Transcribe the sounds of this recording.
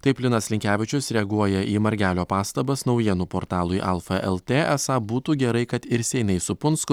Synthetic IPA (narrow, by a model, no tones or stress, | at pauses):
t̪ɐɪpʲlʲɪnɐslʲɪŋʲkʲæːʋʲɪt͡ʃʲʊsɾʲɛɐɡuɔjɛʔiːmɐɾʲɡʲæːlʲoːpɑːst̪ɐbɐsnɒʊjiɛnuːpoːɾt̪ɑːlˠʊɪʔɛlˠfɐʔɛ̰lˠt̪ʲeːɛsɑbuːt̪uːɡʲɛɾɐɪkɐt̪ɪɾsʲɛɪnɐɪsʊpʊnskʊ